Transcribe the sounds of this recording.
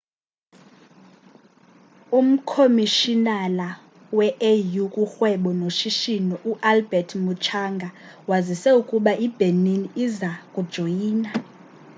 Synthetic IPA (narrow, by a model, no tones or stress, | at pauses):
um̩kʰomiʃinala | wɛʔejukʼuxwɛɓɔnoʃiʃinɔʔuʔalbɛtʰmut͡ʃʰaŋɡʱawazisɛukʼuɓaʔib̥ʱeniniːzakʼud̥ʒ̥ʱojiːna